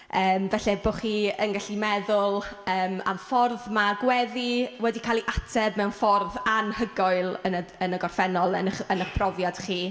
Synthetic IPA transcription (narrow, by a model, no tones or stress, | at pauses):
əːmvɛɬɛboχiːənɡaɬimɛðʊlˠəːma̰mfɔrðmaɡwɛðiwɛdikʰaːlˠiʔatʰɛbmɛwnfɔrðanhəɡɔɨlˠənəənəɡɔrfɛnɔlˠənəχənəχpʰrɔvjad̥χiː